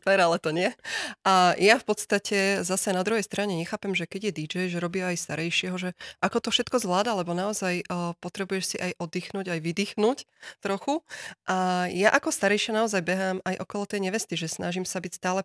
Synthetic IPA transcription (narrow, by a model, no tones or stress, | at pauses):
p̪ɛɾalɛt̪ɔɲɪɛʔajafpɔt̪st̪acɛzasɛnad̪ɾuɦɛjst̪ɾaɲɛɲɛxaːpɛmʒɛkɛɟjɛd̪id͡ʒɛjʒɛɾɔbiajst̪aɾɛjʃɪɛɦɔʒɛʔakɔt̪ɔfʃɛt̪kɔzʋlaːd̪alɛbɔnaɔzajpɔt̪ɾɛbujɛʃsiʔajʔɔd̪iːxnuːɟajʋid̪iːxnuct̪ɾɔxuʔajaʔakɔst̪aɾɛjʃɪanaɔzajbɛɦaːmajʔɔkɔlɔt̪ɛjɲɛʋɛst̪iʒɛsnʔaʒimsabicst̪aːlɛ